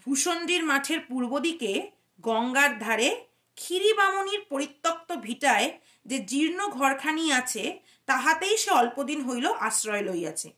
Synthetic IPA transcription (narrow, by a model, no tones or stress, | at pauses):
bʱuʃond̪ɾiɾmaʈʰeɾpuɾbod̪ike | ɡɔŋɡaɾd̪ʱaɾe | kʰiɾibamoniɾpoɾit̪ːok̚t̪obʱiʈae | d͡ʑed͡ʑiɾnoɡʱɔɾkʰaniat͡ɕʰe | t̪aɦat̪ejʃeɔlpod̪inɦojloʔasɾɔeloja̰t͡ɕʰḛ